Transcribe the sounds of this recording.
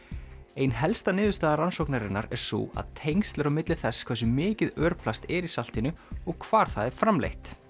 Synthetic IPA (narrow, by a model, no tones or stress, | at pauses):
ejnɦɛlst̪anɪːðʏst̪aːðaɾansowknaɾɪnːa̰ɾɛɾ̥sṵːa̰ðt̪ʰejŋst̪lɪɾamɪt̪lɪθɛskʰvɛs̬ʏmɪːcɪðœːɾpʰlast̪ɛɾisal̥t̪ɪnʏɔɣkʰvaːɾ̥θaðɛɾ̥fɾamlḛjht̪